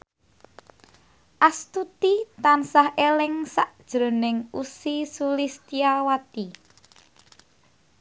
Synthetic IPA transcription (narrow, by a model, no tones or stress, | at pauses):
ʔast̪ut̪it̪ansahelɪŋsaʔd̥ʒ̥ɾo̤nɪŋusisulist̪iawat̪i